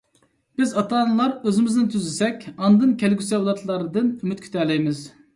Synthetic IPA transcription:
b̥ɪzɑt̪ʰɑːnɨlˠɑɾøzɪmɪznɪt̪ʰyzɪsɛkʲɑnd̪ɨnkʲʰɛlɡʲysɛwlˠɑt̪ʰlˠɑɾɨd̪ɨnymyt̪̚kʲʰy̥t̪ʰɛlɛjmɪz

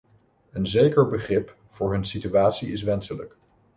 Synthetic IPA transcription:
ənzejkəɹbəχrɪp | v̥ʊːɹɦɵnsityaːtsiɪs̬ʋɛnsələk

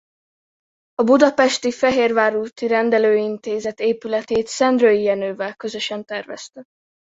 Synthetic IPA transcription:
ɒbud̪ɒpɛʃt̪ifɛɦeːrvaːɾuːt̪iɾɛnd̪ɛløːint̪eːzɛt̪eːpylɛt̪eːt̪sɛnd̪røjijɛnøːvɛlkø̞zø̞ʃɛnt̪ɛrvɛ̰st̪ɛ

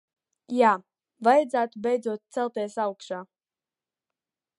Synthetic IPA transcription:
jaː | vajad̪zæːt̪ubʲɛjd̪zuɔt̪̚t̪sɛlˠt̪ɛsawkʃaː

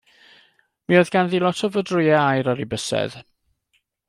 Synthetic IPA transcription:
miɔðɡ̥anðilɔtʰɔvədrʊjɛajɾɔɾibəsɛ̰ð̥

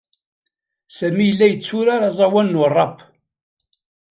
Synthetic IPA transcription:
sæmijəlːæjət͡sːʊɾaɾɑzˤɑwænːʊrˤːɑp

